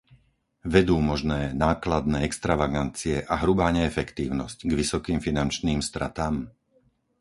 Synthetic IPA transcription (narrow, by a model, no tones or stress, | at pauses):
ʋɛd̪uːmɔʒnɛːnaːklad̪̚nɛːɛkst̪ɾaʋaɡant͡siɛʔaɦɾubaːɲɛːfɛkt̪iːʊnɔscɡʋisɔkiːmfinant͡ʃniːmst̪ɾa̰t̪aːm